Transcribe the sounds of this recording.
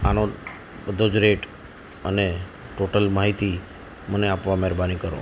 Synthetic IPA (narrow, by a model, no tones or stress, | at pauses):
ano | bəd̪ʱod͡ʒɾeʈ | əne | ʈoʈəlmaɦit̪i | məneapʋamɛɾbanikəɾo̰